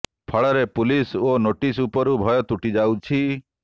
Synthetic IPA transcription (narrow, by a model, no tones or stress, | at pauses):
pʰɔɭɔɾepulisonoʈisupɔɾubʱɔjɔt̪uʈid͡ʒawt͡ʃʰi